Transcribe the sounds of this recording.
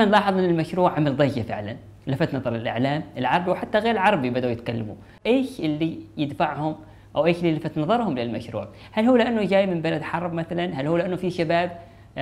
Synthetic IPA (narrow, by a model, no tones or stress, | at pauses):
anlɑːħɑðˤmɪnɪlmaʃɾuːʕʕamald̪ˤɑjːafɪ̰ʕla̰n | lɪfat̪nɑðˤɑɾˤlɪlʔa̰ʕlaːmʔɪlʕɑɾˤɑbiwħat̪ːaɣeːɾɪlʕɑɾˤɑbibad̪uwjɪt̪̚kalːa̰mṵ | ʔeːʃʔɪlːijɪd̪faʕhʊm | ʔawʔeːʃlːilɪfat̪nɑðˤɑɾˤhʊmlɪlmaʃɾṵːʕ | halhuːlɪʔanːʊd͡ʒaːjmɪmbalad̪ħɑɾˤbmaθalanɦalhuːlɪʔanːʊfiʃabaːb̚